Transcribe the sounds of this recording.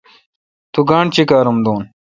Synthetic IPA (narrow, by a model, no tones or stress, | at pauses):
t̪uɡãːɳt͡ɕikaːɾumd̪oːn